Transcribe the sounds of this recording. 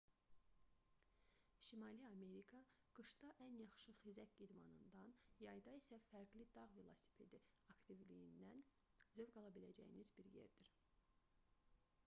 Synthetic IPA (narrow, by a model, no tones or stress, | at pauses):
ʃimɑliɑme̞ɾikʰɑ | ɡ̥ɯʃd̪ɑʔænjɑχʃɯχizæcʲid̪mɑnɯnd̪ɑnjɑjd̪ɑisæfæɾɡlid̪ɑʁvilˠasi̥pʰed̪iɑkt̪ivlijind̪æn | zøvɡɑlˠɑbilæ̰d͡ʒæ̰jinizbiɾjḛɾd̪iɾ